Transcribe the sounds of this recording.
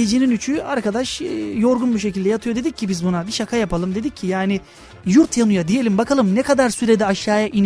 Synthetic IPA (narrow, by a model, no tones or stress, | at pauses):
ed͡ʒininyt͡ʃʰyaɾkad̪aʃjo̞ɾɡunbuʃ̬e̞cilʲd̪ɛjat̪ʰɯjo̞d̪e̞d̪ic̚ʰːibizbunabiʃakʰajapʰalˠɯmd̪e̞d̪icʰːijaːnɪ | juɾt̪janujad̪ije̞lʲimbakʰalˠɯmnɛkʰad̪aɾsyɾe̞d̪ɛaʃjaːjaʔin